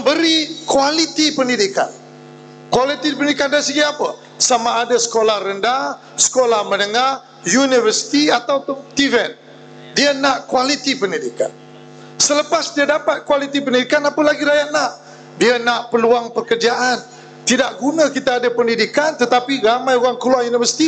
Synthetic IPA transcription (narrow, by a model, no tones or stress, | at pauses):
məmbəɾikwalit̪ipəndidika̰n | kwalit̪ipənidikandaisəɡiapə | samaːdasə̥kolahrənda | sə̥kolahmənəŋa | junivərsi̥t̪iat̪awtt̪ivɛn | diənaʔkwalit̪ipəndidika̰n | sələpasdiədapat̪̚kwalit̪ipəndidikanapəlaɡiɾajaʔ̪̚naʔ | diənaʔpəluaŋpəkərd͡ʒaʔan | t̪idaʔɡunə̃kit̪aːdəpəndidikant̪ət̪apiɾamãjoɣaŋkəluajunivəsi̥t̪i